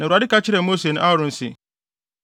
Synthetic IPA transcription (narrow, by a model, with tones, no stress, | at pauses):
nã˨a˨dɪ˦ka˦t͡ɕʰɪ˦ɾɛ˨mo˦se˨nʊ̃˦ʔa˦˨ɾʊ̃˨n̩˨sɪ̰˨